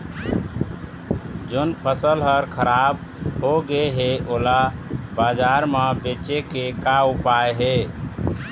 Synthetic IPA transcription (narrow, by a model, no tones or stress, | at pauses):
d͡ʒonpʰəsəlɦəɾkʰəɾab | ɦoɡeɦeʔolabad͡ʒaɾmebet͡ʃekekaupaeɦe